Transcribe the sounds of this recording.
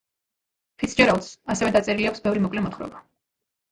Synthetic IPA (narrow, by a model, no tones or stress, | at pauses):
pʰit̪sʰd͡ʒɛɾalt̪sasɛvɛd̪at̪sʼɛɾiliaksbɛvɾimɔkʼlɛmɔt̪χɾɔ̰ba